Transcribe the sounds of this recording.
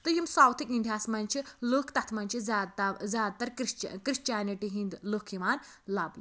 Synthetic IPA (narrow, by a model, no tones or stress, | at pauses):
t̪ɨjimsaːwt̪ʰikind̪ʱʲjaːsmɐnʲt͡ʃʰiloːkʰt̪ɐt̪ʰmɐnʲt͡ʃʰizaːd̪zʲaːd̪̚t̪ɐɾɾt͡ʃkɾiʃt͡ʃjaːniʈiɦĩnd̪loːkʰimaːn | lɐbl